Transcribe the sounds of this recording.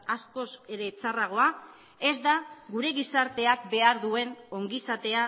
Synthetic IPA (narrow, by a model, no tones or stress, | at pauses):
asko̞se̞ɾe̞t͡saraɣ̞o̞a | e̞zd̪aɣuɾe̞ɣisaɾt̪e̞akbe̞aɾðue̞no̞ŋɡisat̪e̞a